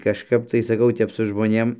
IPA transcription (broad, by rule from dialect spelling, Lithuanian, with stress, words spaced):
kɐʃˈkɐp tɐɪ sɐˈkɐʊ ˈtʲɛp sʊ ʒmoːˈnʲeːm